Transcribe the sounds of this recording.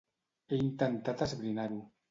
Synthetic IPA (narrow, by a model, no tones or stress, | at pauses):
eint̪ent̪at̪azβɾinaɾu